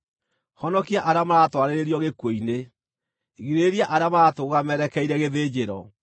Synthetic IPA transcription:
hɔnɔkiaʔaɾeamaɾatwaɾeɾeɾiɔɣekwoine | ɣiɾeːɾiaʔaɾeamaɾatoɣamɛɾɛkɛiɾɛɣeðeːd͡ʑeɾɔ

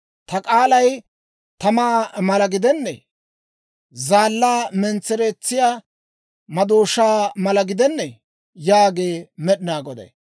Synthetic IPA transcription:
t̪ɐkʼaːlɐj | t̪ɐmaːmɐlɐɡɪd̪ɛnːɛ̰ | zaːlːaːmɛnt͡sːɛɾeːt͡sːɪjaː | mɐd̪oːʃaːmɐlɐɡɪd̪ɛnːɛ | jaːɡeːmɛɗɪnaːɡɔd̪ɐ̰j

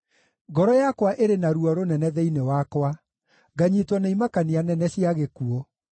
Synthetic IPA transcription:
ɡɔɾɔjakwaʔeɾenaɾuɔɾonɛnɛðɛinewakwa | ɡaɲitwɔnaimakanianɛnɛɕiaɣekuɔ

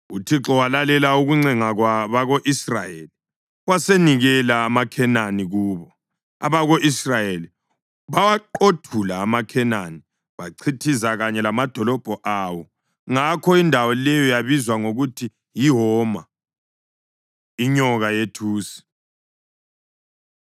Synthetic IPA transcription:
utʰiǁɔwalalɛlauɣuŋ͡ǀɛŋaɣwaβaɣoʔisra̰jḛli | ɣwaseniɣɛlaːmakʰɛnaniɣuːβɔ | a̰βaɣoʔisrajeli | βawaǃotʰulaːmakʰɛnani | βaǀʰitʰisaɣaɲɛlamad̥ʱɔlɔb̥ʱɔʔawɔ | ŋakʰɔindʱawɔlɛjɔjaβizwaŋoɣutʰi | jiɦɔma | iɲɔɣajetʰuːsi̥

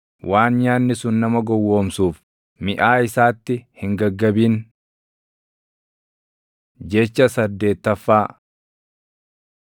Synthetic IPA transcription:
waːnɲaːnːɪsʊnːɐmɐɡɔwːoːmsuːf | mɪʔaːɪsaːt̪ːɪhɪŋɡɐɡːɐbiːn | d͡ʒɛt͡ʃːɐsɐd̪ːe̞ːt̪ːɐfːaː

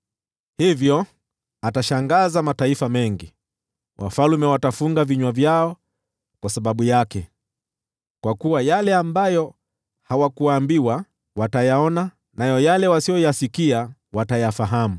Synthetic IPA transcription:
hivjɔ | ataʃaŋɡazamataifamɛŋɡi | wʔa̰falumɛwatafuŋɡaviɲwavjaɔ | kwasaɓaɓujakɛ | kwakuwajalɛambajɔ | hawakuaːmbiwa | watajaɔna | najɔjalɛwasijɔjasikia | watajafaɦamu

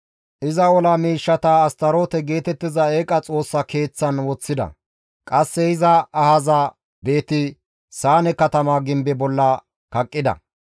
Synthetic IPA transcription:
ʔɪzɐɔlamiːʃːɐt̪ɐːst̪ɐɾoːt̪ɛɡe̞ːt̪ɛt̪ːɪzɐeːkʼɐt͡sʼo̞ːsːɐke̞ːt͡sːɐnwɔt͡sːɪd̪ɐ̰ | kʼɐsːɛɪzɐːhɐzɐ | be̞ːt̪ɪ | saːnɛkɐt̪ɐmaːɡɪmbɛbɔlːɐ | kɐkʼːɪd̪ɐ̰

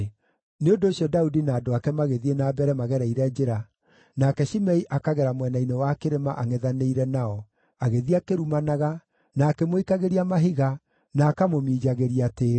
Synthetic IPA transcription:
neondoːɕjɔdaudinaːdoakɛmaɣeðienaːbɛɾɛmaɣɛɾaiɾɛd͡ʒeɾa | nakɛʃimɛiʔakaɣɛɾamwɛnainewakeɾemaʔaŋɛðaneiɾɛnaɔ | aɣeðiakeɾumanaɣa | naːkemoikaɣeɾiamaɦiɣa | naːkamomiːd͡ʒaɣeɾiateː

